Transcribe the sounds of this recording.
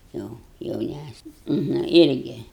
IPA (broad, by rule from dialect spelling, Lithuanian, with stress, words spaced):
ˈjoː jɛʊˈnʲæsʲnʲɛ nɐ ˈɪrʲɡʲɪ